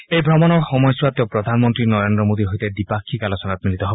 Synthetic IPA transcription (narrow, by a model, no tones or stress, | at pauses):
ejbʱɾɔmɔnɔɹxɔmɔjswat̪jɔpɾɔd̪ʱanmɔnt̪ɾinɔɾend̪ɾɔmod̪iɦojt̪ed̪ipakʰːikalosɔnat̪̚milit̪ɔɦob